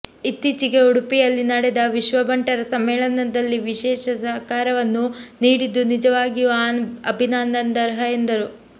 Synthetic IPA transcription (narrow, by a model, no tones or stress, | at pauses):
it̪ːit͡ʃiɡe̞uɽupijɐlːinɐɽɛd̪ɐʋiʃʋɐbʱɐɳʈɐɾɐsɐmːɛːɭɐnɐd̪ɐlːiʋiʃɛːʃɐsɐɦɐkaːɾɐʋɐnːuniːɽid̪ːunid͡ʒɐʋaːɡijuʋɐɐbʱinaːnd̪ɐnd̪ɐɾɦɐend̪ɐɾu